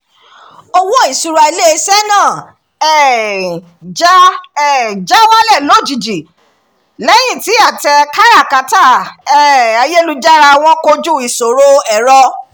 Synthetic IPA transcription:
o˧wo˦i˦˨su˧ɾa˧i˧le˦˧˦sɛ˦nãː˦˨ | ɛ˦ | d͡ʒa˦ɛ˦˨d͡ʒa˦wa˦lɛ˦˨lo˨˦˨d͡ʒi˨d͡ʒi˨ | lɛ˦j̃ĩ˦˨ti˨˦a˦˨tɛ˧ka˦ɾa˦˨ka˨˦ta˦˨ɛ˦˨a˨je˦lu˦d͡ʒa˦ɾa˧w̃ɔ̃˦ko˧d͡ʒu˦˨i˨so˨ɾo˧˦ɛ˦˨ɾɔ˧

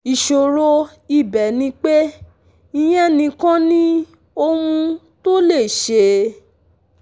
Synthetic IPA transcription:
i˨ʃo˨ɾo˧ | i˦˨bɛ˨˦nĩ˧˦k͡pe˦ | i˧j̃ɛ̃˦nĩ˧kã˦nĩ˦ | o˧mũ˧ | to˦le˦˨ʃe˧

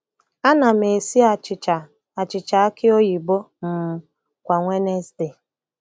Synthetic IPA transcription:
a˦na˨me˨si˦a˨t͡ʃɪ˨t͡ʃa˨ | a˨t͡ʃɪ˨t͡ʃa˨a˦kɪ˦o˦ji˨bo˦ | m̩˨ | kʷa˨ŋʷe˦ne˦stɪ˨

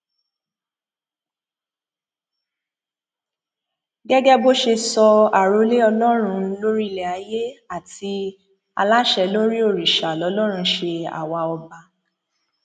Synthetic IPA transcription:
ɡɛ˦ɡɛ˦bo˦ʃe˧sɔ˧a˨ɾo˧˦le˦ɔ˧lɔ˦ɾ̃ũ˧˦lo˦ɾi˦i˨lɛ˨a˨˧˦je˦a˦˨ti˧ | a̰˧la˦ʃɛ˧lo˦ɾi˦o˦˨ɾi˨ʃa˨lɔ˨˧˦lɔ˦ɾ̃ũ˧ʃe˧a̰˨wa˧ɔ˧ba˧

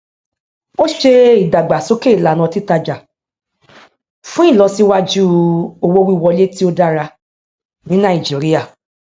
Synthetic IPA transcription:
o˦ʃe˧i˨da˨ɡ͡ba˨so˨˦ke˦i˨la˨nã˧ti˦ta˧d͡ʒa˨ | fũ˦i˦˨lɔ˧si˦wa˦d͡ʒu˦o˧wo˦wi˦˨wɔ˧le˦ti˦o˦da˦ɾa˧ | nĩ˦nã˦i˨d͡ʒi˨˦ɾi˦a˦˨

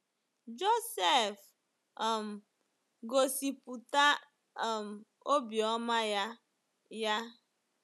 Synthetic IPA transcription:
d͡ʒo˦se˦˨f | ɔ˨m̩˨ | ɡo˨si˨pu˨ta˦˨ | m̩˨ | o˦bi˨ɔ˦ma˦ja˦ | ja˦

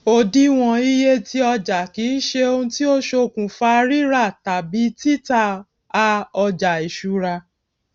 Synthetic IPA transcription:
o˧˨di˦w̃ɔ̃˧i˦je˦ti˦ɔ˧d͡ʒa˨ki˨˦n̩˦ʃe˧o˧hũ˧ti˦o˦ʃo˧˨kũ˨fa˧ɾi˦ɾa˦˨ta˨bi˨˦ti˦ta˦˨ | a˧ɔ˧d͡ʒa˨i˨ʃu˨ɾa˧

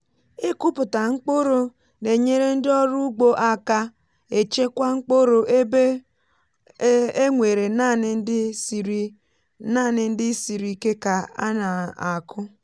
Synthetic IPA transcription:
e˦kʊ˦pʊ˨ta˨ŋ͡m̩˦k͡po˦ɾo˦ | ne˨ɲe˦ɾe˦n̩˦dɪ˦ɔ˦ɾu˦ɡ͡bo˦ʔa˨ka˦ | e˨t͡ʃe˦kʷa˦ŋ͡m̩˦k͡po˦ɾo˨ʔe˦be˦ | e˦ŋʷe˨ɾe˨na˦˨nɪ˨n˦dɪ˦˨ɾ | na˦˨nɪ˨n̩˦dɪ˦si˨ɾi˨ke˦ka˨a̰˦na˨a˨kʰʊ˦

